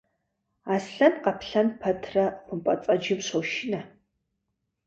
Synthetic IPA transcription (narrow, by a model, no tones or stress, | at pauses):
aːsɬɐnqɐpʰɬɐnpʰɐtʰrɐχʷʊmpʷʼɐt͡sʼɐd͡ʒɪmɕowʃɪnɐ